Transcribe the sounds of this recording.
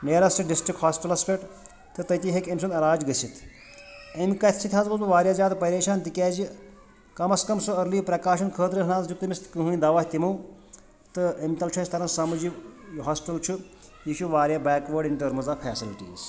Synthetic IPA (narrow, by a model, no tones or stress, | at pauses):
neːɾɐsʈiɖisʈɾikhaːsʈɐlɐsfeʈ | t̪ɨt̪ɐt̪iɦekemʲs̬unɐɾaːd͡ʒɡɐsʲit̪ʰ | ɐmikɐt̪ʰt͡ʃʰit̪ʰʲaːzbɐzuʋaːɾʲjaːzʲaːt̪pɐɾeːʃaːnt̪ikʲɛːd͡ʒi | kɐmɐskɐmsɨɐɾliːpɾɐkaːʃɐnkʰəːt̪ɾɨɦɳaːzd͡ʒukt̪ɨmʲist̪kɨɦɨjĩd̪ɐʋaht̪imɐw | t̪ɨɐmʲt̪ɐlt͡ʃʰɐsʲt̪ɐɾɐ̃nsɐmɨd͡ʒijɦaːsʈɐlt͡ʃʰu | jiʃʰuʋaːɾjabɛːkʋɐɖiɳʈɐɾmɨzapʰɛːsiliʈḭːz